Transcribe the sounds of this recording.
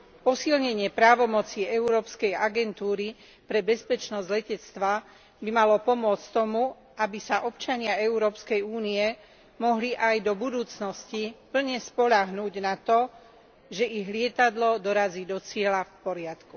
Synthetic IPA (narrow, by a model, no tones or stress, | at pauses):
pɔsilɲɛɲɪɛpɾaːʋɔmɔt͡siːɛuɾɔːpskɛjaɡɛnt̪uːɾi | pɾɛbɛspɛt͡ʃnɔzɟlɛcɛt͡st̪ʋa | bimalɔpɔmʊɔt͡sct̪ɔmu | ʔabisaʔɔpt͡ʃaɲɪaɛuɾɔːpskɛjuːniɛ | mɔɦliʔajd̪ɔbud̪uːt͡snɔscipl̩ɲɛspɔʎaɦnuːɟnat̪ɔ | ʒɛʔiɣlɪɛt̪ad̪lɔd̪ɔɾaziːd̪ɔt͡sɪɛlafpɔɾɪat̪ku